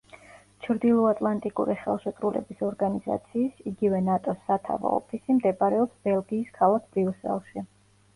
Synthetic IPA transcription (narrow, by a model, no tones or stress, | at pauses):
t͡ʃʰɾd̪ilˠɔat̪ʼlˠant̪ʼikʼṵɾiχɛ̰lˠʃɛt̪ʼɾulɛ̰bisɔɾɡaniz̥a̰t̪sʰiːsiɡivɛnat̪ʼɔsːat̪ʰa̰va̰ɔ̰pʰisimd̪ɛbɾɛɔpsb̥ɛlˠɡiːskʰalˠak̚ʰb̥ɾiusɛ̰lˠʃi